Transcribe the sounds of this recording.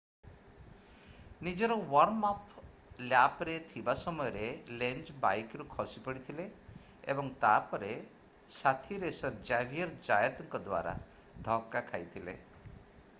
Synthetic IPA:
nid͡ʒɔɾɔwɔɾmap | ljapɾet̪ʰibasɔmɔjɔɾelend͡ʒba̰jkɾukʰɔsipɔɽit̪ʰile | ebɔŋt̪apɔɾe | sat̪ʰiɾesɔd͡ʒabʱiɔɾd͡ʒajɔt̪ɔŋkɔd̪wa̰ɾa̰ | d̪ʱɔkːakʰajt̪ʰilḛ

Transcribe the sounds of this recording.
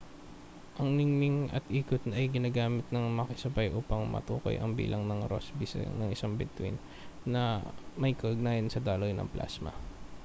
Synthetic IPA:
ʔɐŋnɪŋnɪŋɐ̰t̪ʔiːkot̪nɐjɡɪnaːɡaːmɪt̪̚nɐŋmɐkɪsɐbajʔuːpɐŋmɐ̰t̪ṵːko̞̰jʔɐ̰ŋbḭːlʔɐŋnɐŋɾo̰sbisnɐŋɪsaŋbɪt̪wḭnː | ɐmɐjkɐʔʊɡ̚naːjɐnsɐd̪aːlojnɐ̰ŋplʔa̰ːsmɐ̰

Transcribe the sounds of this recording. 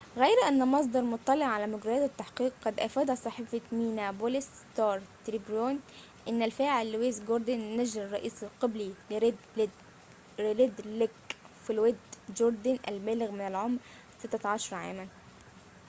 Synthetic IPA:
ɣæjɾʔænːæmɑs̬ˤd̪ɑɾˤmʊt̪ˤːɑleʕʕalæmʊɡɾɑjæːt̪æt̪ːaħqiːqːɑd̪ʔæfæːd̪æt̪sˤɑħiːfat̪miːnæbolɪs | t̪ɑːɾˤt̪ɾibɾoːn | ʔɪnːælfæːʕɪlːweːzɡoɾˤd̪onːæʒlɑrˤːɑʔiːsɪlqɑblil | ɪlɪd̪lek | filwed̪d͡ʒoɾˤd̪ɪnʔæ̰lbæːlɪɣmɪnælʕomɾ | sɪt̪ːæʕɑʃɑɾˤɑʕa̰ːmæn

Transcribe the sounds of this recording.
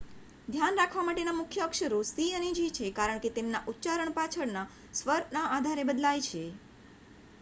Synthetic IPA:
d̪ʱjanɾakʰʋamaʈenamʊkʰjəkʃəɾusiəned͡ʒit͡ʃʰekaɾəɳ̃ket̪emnaʔutːt͡ʃaɾəɳpat͡ʃʰəɽna | sʋəɾnaːd̪ʱaɾebəd̪lajt͡ʃʰe

